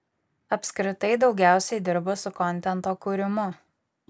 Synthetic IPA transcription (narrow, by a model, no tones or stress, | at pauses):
ɐpʲskɾʲɪt̪ɐɪd̪ɒʊɡʲæˑʊsʲɛɪd̪ʲɪɾbosʊkɔnʲt̪ʲɛnˑt̪oːkuːɾʲɪmʊ